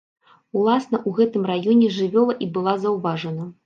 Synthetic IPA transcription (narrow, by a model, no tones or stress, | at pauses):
ulˠasnɐʔuɣɛt̪ɨmrajɔnʲɛʐɨvʲɔlˠɐʔibɨlˠazɐwvaʐɐnɐ